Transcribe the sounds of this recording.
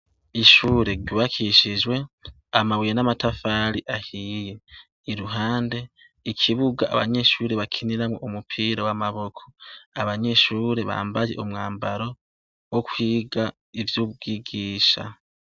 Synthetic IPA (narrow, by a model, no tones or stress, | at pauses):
iʃuːɾe̞ɾɟuβakʰiʃiʒwe̞ | amaβujenamatafaːɾiʔahije̞ | iɾuɦaːnde̞ | ikʰiβuɡaa̰βa̰ɲe̞ʃuːɾeβakʰiniɾamwo̰ʔumupʰiːɾawamaβo̞kʰo̞̥aβaɲe̞ʃuːɾe̞βa̰ːmbaje̞̰ʔumŋaːmbaɾo̞ | wokwiːɡa | ivjuːbɡiɡiːʃa̰